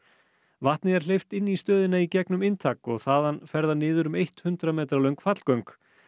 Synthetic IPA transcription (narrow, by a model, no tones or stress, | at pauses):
vaht̪nɪɛɾ̥l̥ejft̪ɪnːist̪œːðɪnaicɛknʏmɪnt̪ʰaːkɔɣθaːðanfɛɾðanɪːðʏɾʏmejht̪hʏnt̪ɾamɛːt̪ɾalœɥŋkfat̪l̥kœɥŋk